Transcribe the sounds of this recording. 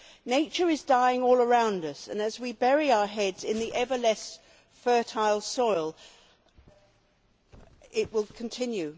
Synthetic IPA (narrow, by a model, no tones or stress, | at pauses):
neɪt͡ʃə˞ɨzdaɪɪ̃ŋɔlˠə˞ãʊ̃ndʌsɨ̃nɨzwibɛɹiaʊəɦɛdz̥ɪ̃nðiʔɛvəlɛs | fɜ˞tʰaɪlˠsɔɪlˠ | ɪʔ̚wɪlˠkʰn̩tʰɪ̃njʉ